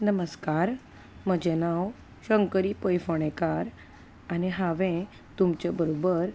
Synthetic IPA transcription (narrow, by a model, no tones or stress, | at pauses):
nəməskaɾ | məd͡ʑenaw | ɕəŋkəɾiːpəjfəɽ̃ekaɾ | aniɦaʋẽ | t̪umt͡ɕabəɾobəɾ